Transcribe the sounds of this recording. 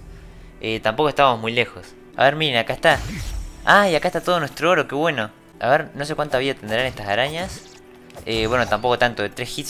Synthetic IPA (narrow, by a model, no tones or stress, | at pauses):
et̪ampo̞koest̪aβamomujle̞xo̞s | a̰βeɾmineakaest̪a | aiakaest̪at̪oð̞onwet̪ɾooɾo̞ke̞βwe̞no̞ | a̰βeɾno̞s̬ekwant̪aβiðat̪end̪ɾanest̪asaɾaɲas | eβwe̞not̪ampo̞ko̞t̪ant̪oðet̪ɾesxit̪